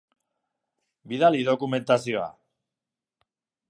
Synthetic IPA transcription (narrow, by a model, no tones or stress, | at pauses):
biðaliðo̞kume̞nt̪asio̞a̰